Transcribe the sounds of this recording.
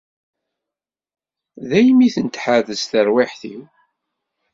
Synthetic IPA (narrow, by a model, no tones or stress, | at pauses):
ðæjmiθənt̪ħaðəsθəɾwiħθi